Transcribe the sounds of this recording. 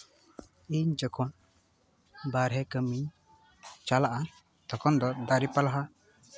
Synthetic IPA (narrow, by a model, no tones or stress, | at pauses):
iɲd͡ʒɔkʰɔn | baɾɦɛkəmiɲ | t͡ʃalaʔa | t̪ʰɔkɔnd̪ɔd̪aɾipalaɦa